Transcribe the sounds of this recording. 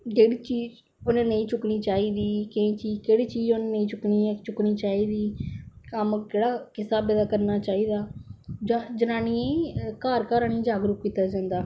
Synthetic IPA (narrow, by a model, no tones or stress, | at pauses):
keːɽiːt͡ʃiːd͡ʒ | ʊnẽːnəĩːt͡ʃʊkniːt͡ʃaːiːd̪iːkẽːt͡ʃiːkeːɽiːt͡ʃiːd͡ʒonːnəĩːt͡ʃʊkniːet͡ʃʊkniːt͡ʃaːiːd̪iːkəmkeːɽaːkɪsaːbɛːd̪aːkəɾnaːt͡ʃaːiːd̪aːd͡ʒad͡ʒənaːniːẽkaːɾkaːɾaːnĩd͡ʒaːɡɾuːpkiːt̪ːaːd͡ʒãːnd̪aː